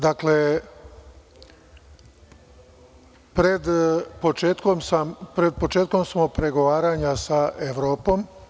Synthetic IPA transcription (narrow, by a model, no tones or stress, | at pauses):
d̪akle | pɾe̞d̪po̞t͡ʃeːt̪komsampɾed̪̚pot͡ʃeːt̪̚ko̞msmopɾe̞ɡo̞ʋaːɾaɲasaʔeʋɾoːpo̞m